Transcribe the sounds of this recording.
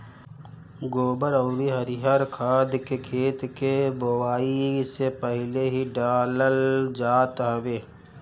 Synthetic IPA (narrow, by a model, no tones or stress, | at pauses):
ɡoːbəɾəʊɾiɦəɾiɦaɾkʰaːd̪kekʰeːt̪kebowaːisepəɦɪleɦiɖaːləld͡ʒaːt̪ɦəʋeː